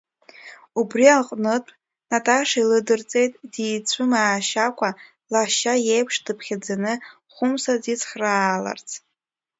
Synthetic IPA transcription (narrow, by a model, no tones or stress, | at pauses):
ubrialqʼnɨtʼ | natʰʼaʂailɨdɨrt͡sʼe̞jtʼdiːt͡sʷʰɨmaːʃakʷʰʼa | laʃajejpʰʂdɨpʰχʲad͡zanɨ | χʷʊmsadit͡sʰʼχraːla̰rt͡sʰʼ